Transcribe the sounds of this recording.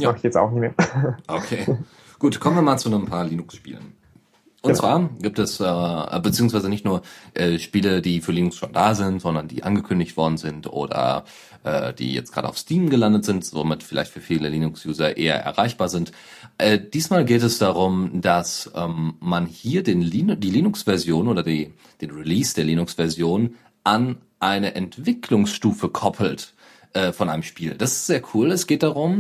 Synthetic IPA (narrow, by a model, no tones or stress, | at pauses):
jaːaχɪçjɛt͡sa̰ʊxnɪçmeːɐʔokʰeː | ɡ̥uːtkʰɔmənviːɐmaːlt͡sunəmpʰaːɐliːnʊksʃpḭːlə̰n | ʔʊnv̥aːɐɡiːp̚tɛsʔɛːɛ̰ːbət͡siːʊŋsv̥aɪzənɪçtnuːɐʔɛːʃpiːlədiːfyːɐliːnʊksʃondaːzɪntz̥ɔndɐndḭːʔanɡəkʰʏndɪçtv̥ɔɐdn̩zɪntʔo̰ːdɐ̰ | ʔɛ̰ːd̥ḭːjɛ̰t͡stɡ̥ʁa̰ːdə̰aʊstʰiːmənɡəlandətz̥ɪntzo̰mɪtfɪla̰ɪçtfyːɐfiːləliːnʊksjuːzɐʔḛːɐ̰ʔɛ̰ɐʁaɪçb̥aːɐzɪnt | ʔɛːd̥iːsmaːlɡeːtɛsd̥aʁʊmd̥asʔɛ̰ːmmanhiːɐdeːnliːndiːliːnʊksv̥ɛɐzjoːnʔoːdɐdiː | d̥eːnʁiliːsd̥eːɐliːnʊksv̥ɛɐzjoːnn | ʔan | ʔaɪnəʔɛntv̥ɪkʰlʊŋsʃtuːfəkʰɔpʰl̩t | ʔɛːfɔnʔaɪnəmʃpiːld̥asɪ̥stz̥eːɐkʰuːlɛsɡ̥eːt̚d̥aʁʊm